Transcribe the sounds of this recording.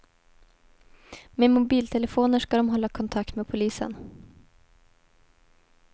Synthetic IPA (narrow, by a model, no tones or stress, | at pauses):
memʊbiːlt̪ʰɛləfoːnəʂkad̪ɔmɦɔlːakʰɔnt̪ʰak̚t̪meːd̪̚pʰʊliːsə̰n